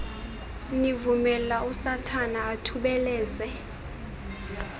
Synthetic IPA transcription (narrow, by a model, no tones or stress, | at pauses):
nivumɛlausatʰanaːtʰuɓɛlɛːzɛ